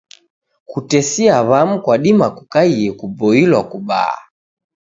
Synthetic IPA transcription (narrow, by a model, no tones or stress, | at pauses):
kutɛsiaβam̩kwaɗimakukaiɛkubɔilwakuba̰a̰